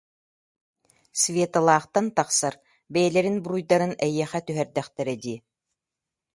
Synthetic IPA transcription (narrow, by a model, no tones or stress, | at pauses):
svʲeːt̪alˠaːχt̪ant̪aqsaɾ | bɛjɛlɛɾinbuɾujd̪aɾɯnɛjiɛχɛt̪yɦɛɾd̪ɛχt̪ɛɾɛd̪iː